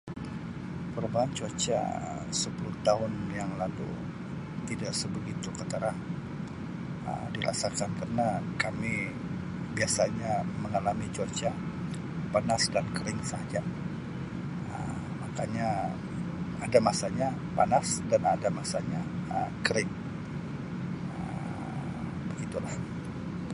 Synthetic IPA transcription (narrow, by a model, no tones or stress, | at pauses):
pəɾubaɦant͡ʃot͡ʃa̰ | səpulʊt̪aɦʊnjaŋlalṵ | t̪idaʔsəbəɡit̪ukət̪əɾah | ə̰mdiɾa̰sakankarənakami | biasaɲaməŋalamit͡ʃot͡ʃa | panasdankəɾɪŋsad͡ʒa | ə̰ | makaɲa | adamasaɲa | panasdanadamasaɲaə̰mkəɾɪŋ | ə̰ | bəɡit̪ulah